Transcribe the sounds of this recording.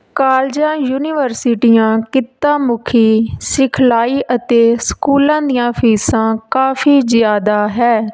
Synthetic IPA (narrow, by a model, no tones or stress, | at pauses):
kaːld͡ʒãːjuːnɪːʋəɾsɪːʈijãːkɪt̪ːãːmʊkʰiːsɪkʰlaːiːʔət̪eːskuːlãːd̪ijãːpʰiːsãːkaːfiːzɪjaːd̪aːɦɛː